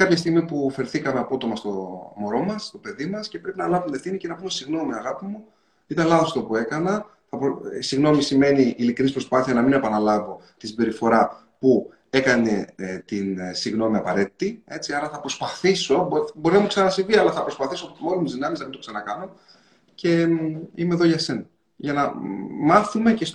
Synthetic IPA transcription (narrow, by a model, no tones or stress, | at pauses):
kɐpçɐst̪iɣmipufeɾθikɐmeɐpo̞t̪o̞mɐst̪o̞mo̞ɾo̞mɐst̪o̞pe̞ðimɐsce̞pɾe̞pinɐlɐvunefθinice̞nɐpume̞siɣno̞miɐɣɐpimu | it̪ɐnlɐðo̞st̪o̞pue̞kɐnɐ | θɐpisiɣno̞misime̞niːlikɾinispɾo̞spɐθiɐnɐmine̞pɐnɐlɐvo̞t̪i̥sibe̞ɾifo̞ɾɐ | pu | e̞kɐne̞t̪insiɣno̞miɐpɐɾe̞t̪i̥t̪ie̞t͡siɐɾɐθɐpɾo̞spɐθiso̞bobo̞ɾinɐmuksɐnɐsiviɐlɐθɐpɾospɐθisop̪molomt̪izðinɐmeznɐmind̪osɐnɐkɐnun | ce̞ime̞ðo̞ʝɐse̞nɐ | ʝɐnɐmɐθume̞ces